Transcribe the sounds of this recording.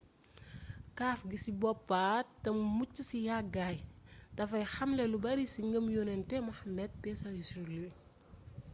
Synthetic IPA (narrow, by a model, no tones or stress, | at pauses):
kaːfɡisibɔpːaːtɐmmut͡ʃːusijaɡajtɐfɐjxɐmlɛlubɐɾisiŋɡɐmjɔnɛntɛmɐxɐmːɛd̚pɛsɐisɾuluj